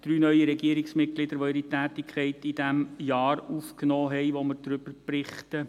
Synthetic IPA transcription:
d̥ɾyːnœʏiɾɛɡiəɾɪksmɪt̚klɪd̪əɾʋoɪɾitæːt̪ɪkχɛɪtɪd̥æmjɑːɾufknɔːɦɛɪʋoməɾd̥̪ɾʏb̥əɾb̥rɪχtə

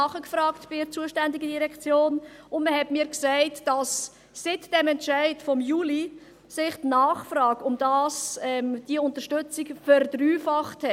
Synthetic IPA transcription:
ɑχəkfrɑːktb̥ɪɾt͡suəʃtændiɡədiɾɛkt͡sjoːnʊnməhɛtmɪːɾksæɪtd̥ɑsː | ɪtd̥ɛmɛntʃæɪtfɔmjuːli | sɪχtnɑːχfɾɑːɡʊmd̥ɑːsɛmd̥iəʊntəɾʃtʏt͡sikfɛrdryːfɑχthɛ

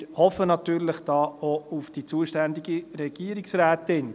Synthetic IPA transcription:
hɔfənɑt̪yːɾləχd̥ɑːoufd̥it͡suəʃtænd̪iɡiɾɛɡ̥iəɾiksræːtɪn

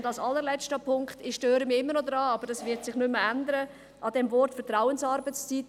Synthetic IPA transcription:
ndɑlsɑlːəɾlɛt͡stəpʰʊŋktɪʃtøːɾəmiɪmːənɔdɾɑːɑb̥əɾd̥ɑsvɪtsɪχnʏmːəændəɾə | ʔɑd̥ɛmvɔrtfɛtɾaʊənsɑːɾbət͡st͡sit

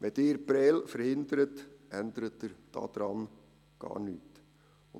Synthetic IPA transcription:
ʋɛdɪːɾpɾɛːlfəɾhɪnd̪əɾətɛnd̪əɾət̪ːɪɾd̥ɑ̰ːd̪̥ɾɑn | ɡ̥ɑ̰ːɾnyːt | ʊ

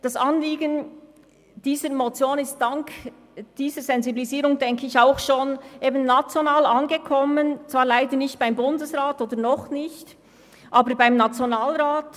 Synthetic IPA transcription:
d̥asanliːɡən | d̥iːzəɾmot͡sjoːnɪst̚d̥aŋk | d̥iːzəɾz̥ɛnzibiliziːɾʊŋdɛŋkʰəɪçaʊxʃoːnʔeːbənːat͡sjonaːlanɡəkʰɔmənt͡sv̥aːɾlaɪdəɾnɪçt̚b̥aɪmbʊndəsʁaːtoːd̥əɾnɔχnɪçt | ʔaːbəɾbaɪmnat͡sjonaːlɾaːt

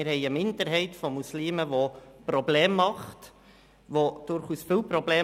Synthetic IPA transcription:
ɪɾhɛɪəmɪndəɾɦɛɪtfɔmusliːməʋopɾɔbleːmːɑχt | ʋod̥ʊɾχuːsfɪlpɾɔbleː

